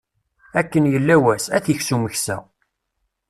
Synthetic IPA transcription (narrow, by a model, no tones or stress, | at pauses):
ækːənjəlːæwæsæθəçsuməçsæ̰